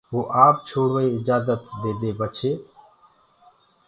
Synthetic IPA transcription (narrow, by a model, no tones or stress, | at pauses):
ʋoːʔaːp̚t͡ʃʰoːɽʋəiːɪd͡ʒaːzət̪d̪eːd̪eːbət͡ʃʰeː